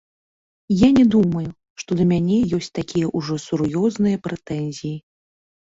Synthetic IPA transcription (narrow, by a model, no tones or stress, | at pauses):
janʲɛd̪umɐju | ʂt̪ɔd̪ɐmʲanʲɛjɔsʲt͡sʲt̪akʲʰijɐʔuʐɔsuɾjɔznɨjɐpɾɛt̪ɛnʲzʲiji